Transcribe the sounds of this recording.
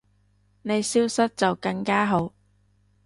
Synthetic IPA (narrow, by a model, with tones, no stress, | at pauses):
ne˨˧jsiː˥wsɐ˥t̚t͡sɐ˨wkɐ˧ŋkaː˥ɦo˨˧˥w